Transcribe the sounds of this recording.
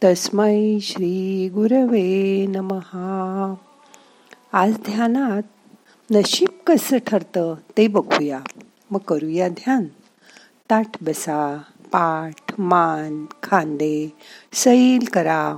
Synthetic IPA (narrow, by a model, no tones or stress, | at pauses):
t̪əsməjɕɾiɡuɾəʋenəməha | ad͡zd̪ʱjanat̪̚ | nəɕip̚kəsəʈʰəɾt̪ət̪ebəɡʰuja | məɡkːəɾujad̪ʱjan | t̪aʈʰbəsa | paʈʰmankʰãnd̪esəilkəɾa